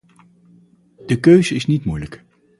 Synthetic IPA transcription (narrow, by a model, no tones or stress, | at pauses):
d̥əkøɥzəɪsnitmujlək